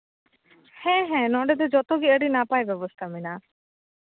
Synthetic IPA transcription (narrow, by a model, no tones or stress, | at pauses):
hɛ̃ɦɛ̃nɔɳɖed̪ed͡ʒɔt̪ɔɡiəɽinapaːjbjɔbɔst̪ʰamina